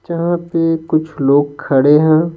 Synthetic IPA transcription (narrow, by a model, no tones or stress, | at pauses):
d͡ʒɐɦãpekʊt͡ʃʰloːɡkʰɐɽeɦɛ̃ː